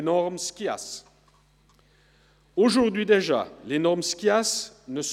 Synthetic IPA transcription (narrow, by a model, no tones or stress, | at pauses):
nɔʁmskʲia̰s | oʒuʁd̪ɥid̪eʒa̰lenɔʁmskʲiasnəs